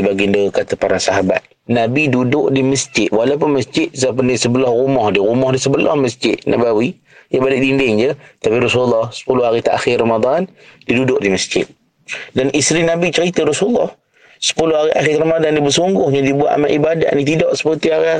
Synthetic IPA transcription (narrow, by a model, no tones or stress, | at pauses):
baɡindəkat̪əpaɾasaɦaba̰t̪̚ | nabidudʊʔdiməsd͡ʒɪt̪̚walaup̬ʊnməsd͡ʒɪt̪̚sap̬ənisəbəlɔhrumɔhdiɾumɔhdisəbəlɔ̰hməsd͡ʒɪt̪̚nʔa̰ʔbawi | jabalɪʔ̚dindɪŋd͡ʒət̪apiɾɔsulːɔhsə̥pulʊhɦaɾit̪a̰ʔxɪramad̪ˤɑn | didudʊʔdiməsd͡ʒɪ̰t̪̚ | danʔist̪ɾinabit͡ʃəɾit̪əɾɔsulːɔ̰h | sə̥pulʊhɦaɾiʔaxit̪ramadandibəsuŋɡʊhɲadibuat̪̚a̰maʔibada̰ʔnit̪idɔʔsə̥pərt̪iaɾi